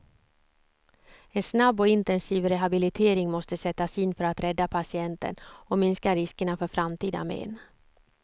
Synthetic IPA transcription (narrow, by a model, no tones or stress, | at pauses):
ɛnsnabːɔɪnt̪ɛnsiːvɾɛɦabɪlɪt̪ʰeːɾɪŋmɔst̪əsɛt̪ːasiːnfœɾat̪ɾɛd̪ːapʰasɪɛnt̪ə̰nɔmɪnskaɾɪskəɳafœɾfɾamt̪ʰiːd̪a̰mḛːn